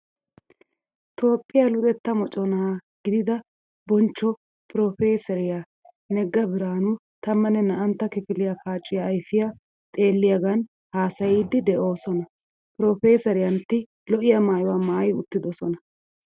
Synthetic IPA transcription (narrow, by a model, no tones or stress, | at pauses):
t̪ʰo̞ːpʼːɪjɐlʊd̪ɛt̪ːɐmɔt͡ʃʼɔnɐɡ̥ɪd̪ɪd̪ɐ | bɔnt͡ʃːɔ | pɾoːfe̞ːsɛɾɪja | nɛɡːɐbɪɾaːnʊ | t̪ɐmːɐnɛnɐʔɐnt̪ːɐkɪfɪlɪjafaːt͡ʃʼːʊjaːjfɪja | t̪ʼe̞ːlːɪjɐɡɐn | haːsɐjiːd̪ːɪd̪ɛʔo̞ːsɔnɐ | pɾoːfe̞ːsɐɾɪjɐnt̪ːɪ | lɔʔɪjɐmaːjwaːmaːjʊ̰t̪ːɪd̪ɔsɔnɐ